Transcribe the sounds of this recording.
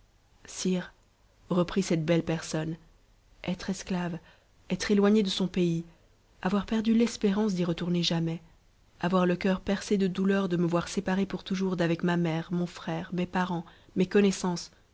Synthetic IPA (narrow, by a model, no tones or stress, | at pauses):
siːʁ | ʁəpχisɛt̪̚bɛlpɛʁsɔn | ɛt̪χɛsklav | ɛt̪χelwaɲed̪əsɔ̃pei | avwaʁpɛʁd̪ylɛspeʁɑ̃s̬d̪iʁət̪uʁneʒamɛ | avwaʁləkʲœʁpɛʁsed̪əd̪ulœʁd̪əməvwaʁsepaʁepuʁt̪uʒuʁd̪avɛkmamɛːʁmɔ̃fχɛʁmepaʁɑ̃mekɔnɛsɑ̃s